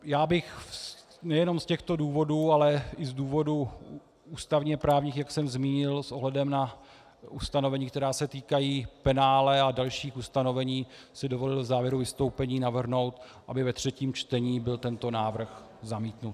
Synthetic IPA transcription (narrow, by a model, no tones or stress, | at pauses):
jaːbɪxs | nɛjɛno̞mscɛxt̪o̞duːvo̞duːalɛɪzduːvo̞du | uːst̪avɲiapɾaːvɲiːxjaksɛmzmiːɲɪlsʔo̞ɦlɛdɛmna | ust̪ano̞vɛɲiːkt̪ɛɾaːsɛt̪iːkajiːpɛnaːlɛadalʃiːxust̪ano̞vɛɲiːsɪdo̞vo̞lɪlvzaːvjɛɾuvɪst̪o̞wpɛɲiːnavr̩ɦno̞wt̪ | ʔabɪvɛt̪r̝̥ɛciːmt͡ʃt̪ɛɲiːbɪlt̪ɛnt̪o̞naːvr̩x | zamiːt̪nut̪